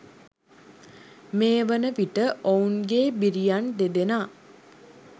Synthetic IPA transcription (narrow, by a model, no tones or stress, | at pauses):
meːʋənəʋiʈəʔounɡeːbiɾijand̪ed̪enaː